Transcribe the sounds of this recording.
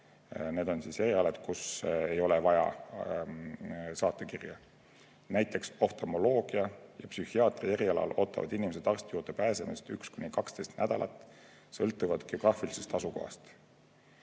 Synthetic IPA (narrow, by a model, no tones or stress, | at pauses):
ne̞ːd̪̥o̞nsiːseɾiɑled̪̥kuse̞jo̞levɑjɑ̰ | sɑːt̪ːˑe̞kirjɑ | næjt̪ːˑe̞kso̞ft̪omo̞lo̞ːɡ̥iɑjɑpsyhiɑːt̪ˑrieɾiɑlɑ̰lo̞ːt̪ˑːɑ̰vɑ̰d̪inimese̞d̪̥ɑrst̪ejuːrd̪̥e̞pæːse̞mist̪ykskunʲikɑkst̪e̞jst̪næd̪̥ɑlʔɑ̰t̪ːˑ | sɤlt̪ːˑuvɑd̪ɡ̥eoɡ̥rɑːfilise̞st̪ɑsuko̞̰hɑ̰st̪